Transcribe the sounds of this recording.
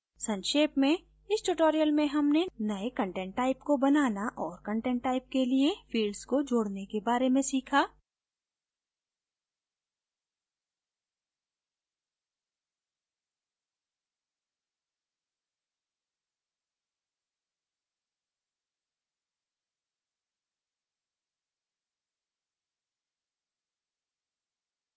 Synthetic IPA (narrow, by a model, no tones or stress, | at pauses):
sɐ̃nʃeːpmẽ | ɪsʈʊʈoːɾijəlmẽɦɐmnenɐekɐ̃ɳʈɛ̃ːɳʈːaːɪpkobɐnaːnaʔɔːɾkɐ̃ɳʈɛ̃ːɳʈːaːɪp̚keliefiːɖɖzkod͡ʒoːɽnekebaːɾemẽsiːkʰaː